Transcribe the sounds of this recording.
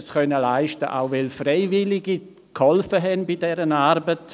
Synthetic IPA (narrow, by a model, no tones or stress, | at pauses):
sχœnəlaɪʃtəʔa̰ʊvɛlfreɪvɪlɪɡi | khɔlfəɦɛnbidɛɾənaɾbət